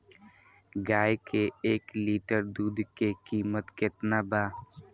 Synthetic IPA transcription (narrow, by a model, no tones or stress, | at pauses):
ɡaːjkeeːkliːʈəɾd̪uːd̪kekiːmət̪kɪt̪nabaː